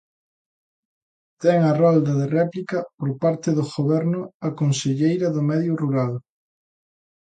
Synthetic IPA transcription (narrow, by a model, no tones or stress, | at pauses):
t̪ɛŋɐrɔld̪ɐðerɛplikɐpoɾpaɾt̪ɪðʊɣoβɛɾnʊɐkonseʎejɾɐðʊmɛðjʊruɾal